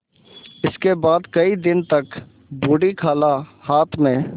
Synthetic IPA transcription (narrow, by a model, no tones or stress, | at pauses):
ɪskebaːd̪kəid̪ɪnt̪ɐk | buːɽikʰaːlahaːt̪ʰmẽː